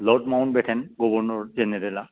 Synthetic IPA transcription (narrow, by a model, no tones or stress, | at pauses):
lɔʈmawnbɛʈʰɛnɡɔbɔɹnɔɹd͡ʑenedela